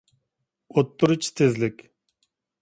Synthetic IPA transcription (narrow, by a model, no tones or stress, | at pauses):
ot̪ːuɾɨt͡ʃʰt̪ʰezlɪkʲ